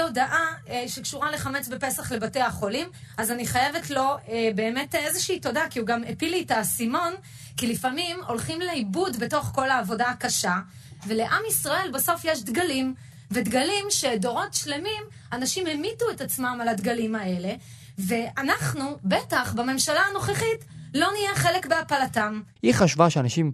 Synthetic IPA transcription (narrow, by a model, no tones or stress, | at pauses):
odaʔaʃekʃuʁale̞χame̞t͡sbepe̞saχle̞bate̞aχo̞limazaniχajeve̞tlo̞ebe̞ːmetezeʃiːto̞dakiuɡamepilitasimo̞n | kilifamimo̞lχimleibudbe̞to̞χko̞laːvo̞dakaʃa | ve̞le̞ʔamisʁae̞lbaso̞fjeʃ̬d̪ɡalim | vedɡalimʃe̞do̞ʁo̞tʃle̞mim | anaʃimemituetat͡smamalad̪ɡalimae̞le̞ | ve̞ʔanaχnubetaχbame̞mʃalaːno̞χeχitlo̞nijeχe̞le̞kbe̞apalatamhiχaʃvaʃeanaʃim